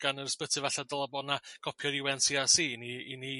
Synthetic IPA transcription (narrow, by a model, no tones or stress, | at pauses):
ɡ̥anərspətʰɪvɛɬadəlˠabɔnakʰɔpʰjɔɾɪwɛnsiasiːniini